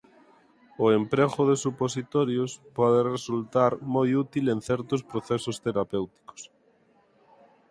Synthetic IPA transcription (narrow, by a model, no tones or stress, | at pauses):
oempɾeɣoðesuposit̪oɾjospɔðeresult̪aɾmojut̪ilẽnθɛɾt̪ospɾoθesost̪eɾapewt̪i̥ko̥s